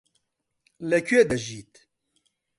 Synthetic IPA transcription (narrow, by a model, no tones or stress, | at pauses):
lɛkʰeːd̪ɐʒiːt̪